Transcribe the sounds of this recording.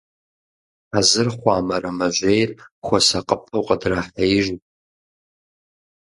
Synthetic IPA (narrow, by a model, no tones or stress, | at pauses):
azɨrχʷaːmɐrɐmɐʒʷejrxʷɔsaqʼəpʰːɐwqʼədraħajɪʒu